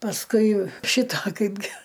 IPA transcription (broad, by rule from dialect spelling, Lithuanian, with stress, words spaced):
pɐsˈkʊɪ ˈʃʲɪtɐ ˈkɐɪbʲɡʲɪ